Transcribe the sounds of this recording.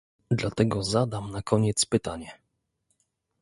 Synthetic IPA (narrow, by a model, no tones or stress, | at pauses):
d̪lat̪ɛɡɔzad̪amnakʰɔɲɛt̪spɘt̪aɲɛ